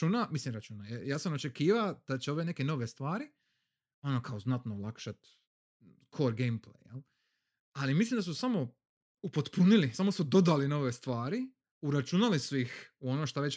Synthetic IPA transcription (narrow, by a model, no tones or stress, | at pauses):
unamislimɾat͡ʃuːnajejaːsano̞t͡ʃe̞kiːʋad̪̥at͡ɕeo̞ʋe̞ne̞ke̞no̞ʋe̞st̪ʋaːɾi | o̞nokaoznat̪noːlˠakʃat̪ | kʰo̞ɾɡejmplḛjjel | alimislimd̪asusamo̞ | upo̞t̪punilisamo̞sud̪o̞d̪alino̞ʋest̪ʋaːɾi | uɾat͡ʃunalisuixuo̞noʃt̪aʋet͡ɕ